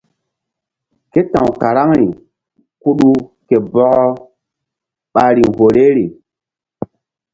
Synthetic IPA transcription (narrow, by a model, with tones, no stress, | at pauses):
ke˦tã˨wka˨ɾa˦ŋɾi˨ | ku˦ɗu˦ke˨bɔ˦ɡɔ˦ | ɓa˨˦ɾi˨ŋho˨ɾe˦ɾi˨